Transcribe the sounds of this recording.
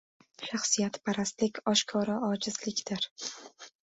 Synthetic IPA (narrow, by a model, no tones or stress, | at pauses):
ʃaχsijat̪pʰaɾast̪lɪkʲɒʃkʰɒɾaɒd͡ʒɪzlɪkʲd̪̥ɪɾ